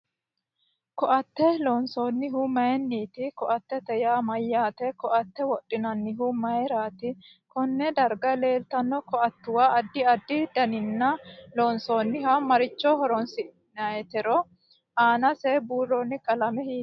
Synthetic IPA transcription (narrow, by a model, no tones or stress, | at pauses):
kɔʔɐt̪ːɛloːnsoːnːɪɦumɐjɛnːiːt̪ɪkɔʔɐt̪ːɛt̪ɛjaːmɐjːaːt̪ɛkɔʔɐt̪ːɛwɔɗːɪnɐnːɪɦumɐjɛɾaːt̪ɪ | kɔnːɛd̪ɐɾɡɐle̞ːlt̪ɐnːɔkɔɐt̪ːʊwaːɐd̪ːɪɐd̪ːɪd̪ɐnɪnːɐloːnsoːnːɪɦɐmɐɾɪt͡ʃːɔhɔɾɔnsɪ | nɐjɛt̪ɛɾɔ | ʔaːnɐsɛbuːrːɔːnːɪkʼɐlɐmɛhiː